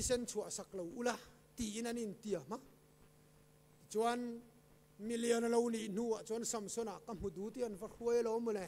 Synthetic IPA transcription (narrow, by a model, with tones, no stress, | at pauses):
isɛ˦nt͡sʰu˨aʔsa˨k̚lo˨wʔu˦la˦ | t̪i˨ʔi˦na˨ni˨nt̪i˨a˨m̥a˦ʔ | t͡sua˦n | mi˧li˧ɔ˨nlo˧wni˨ʔn̥u˧˨a˨t͡su˦nsa˨msɔ˦na˨ʔkam̥u˨d̪u˨˦t̪i˧a˨nva˦ru˦əjlɔ˧˦mu˨lɛ˨